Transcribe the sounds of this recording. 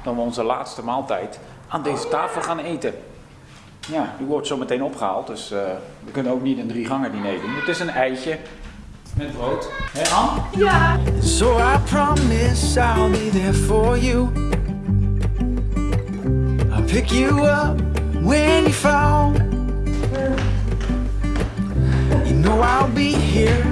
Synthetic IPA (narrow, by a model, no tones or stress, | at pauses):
d̥ɔnʋəɔnzəla̰ːtstəmaːlˠtɛjt | aːndejzətaːfəl̩ˠχaːnejtə | jaːiʋɔɹtsowmətejnɔpχəha̰ːlˠt̚døsʋəkɵnənowk̚nitəndriχɑŋədinejdunətɪsənɛjt͡ʃə | mɛrowtɦɛɑn | soʊaɪpʰɹ̥ɑmɪsaɪlˠbiðɛɹfə˞ju | aɪpʰɪkjɨʌp | wɛnjfɹɔ | jɨnoʊaɪlˠbiɦiɹ